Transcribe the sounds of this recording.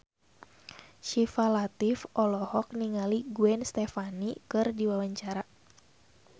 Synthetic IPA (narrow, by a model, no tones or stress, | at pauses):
ʃifalat̪ifʔɔlɔhɔk̚niŋaliɡuɛnst̪ɛfanikɨrdiwawaɲt͡ʃaɾa